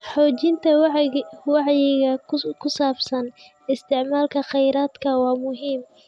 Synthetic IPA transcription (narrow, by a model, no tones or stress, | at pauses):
ħɔːt͡ʃɪnt̪ʰɐ | wɑʕjɪɣɐkʰʊsaːbsɐn | ɪst̪ʰɪʕmaːlkʰɐχɛjɾaːd̪kʰɐwɑːmʊɦiːm